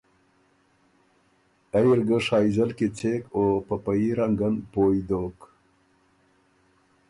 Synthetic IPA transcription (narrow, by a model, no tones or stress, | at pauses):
ajiɾɡəʂɑːjizəlkit͡seːkoːpəpajiɾaŋɡənpoːjd̪oːk